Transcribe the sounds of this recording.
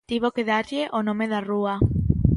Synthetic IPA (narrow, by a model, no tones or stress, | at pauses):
t̪iβokeðaɾʎɪʔonõmeðarua